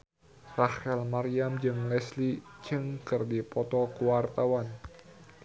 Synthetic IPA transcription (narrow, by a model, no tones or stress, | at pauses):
rahɛlmaɾiamd͡ʒɨŋlɛslid͡ʒɨŋkɨrdipɔt̪ɔkuwart̪awan